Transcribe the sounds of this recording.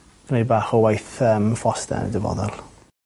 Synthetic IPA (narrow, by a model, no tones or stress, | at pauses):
nebaːχɔwajθəmfɔstɛ̰ndəvɔ̰ðɛlˠ